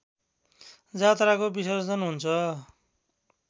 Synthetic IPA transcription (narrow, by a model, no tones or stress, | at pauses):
d͡zat̪rakobiswʌsd͡zʌnɦunt͡sʰʌ